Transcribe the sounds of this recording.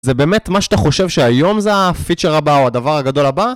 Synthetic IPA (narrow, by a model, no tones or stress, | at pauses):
zebe̞ːme̞tmaʃeat̪aχo̞ʃe̞vʃeajo̞mzeafit͡ʃeʁabaoad̪avaʁaɡad̪o̞laba